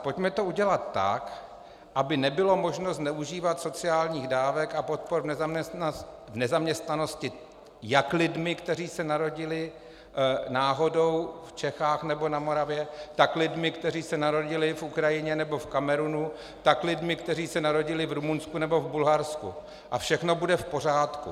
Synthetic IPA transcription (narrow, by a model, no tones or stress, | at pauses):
po̞cmɛt̪o̞uɟɛlat̪ːa̰k | ʔabɪnɛbɪlo̞mo̞ʒnoznɛʔuʒiːvat̪so̞t͡sɪaːlɲiːɣdaːvɛkapo̞t̪̚poɾvnɛzmɛ | vnɛzamɲɛst̪nano̞scɪ | jaklɪdmɪkt̪ɛr̝iːsɛnaɾo̞ɟɪlɪ | naːɦo̞do̞wft͡ʃɛxaːxnɛbo̞namo̞ɾavjɛt̪aklɪdmɪkt̪ɛriːsɛnaɾo̞ɟɪlɪfʔukɾajɪɲɛnɛbo̞fkamɛɾunu | t̪aklɪdmɪkt̪ɛriːsɛnaɾo̞ɟɪlɪvɾumunskunɛbo̞vbulɦaɾskṵ | ʔafʃɛxno̞budɛfpo̞r̝aːt̪kṵ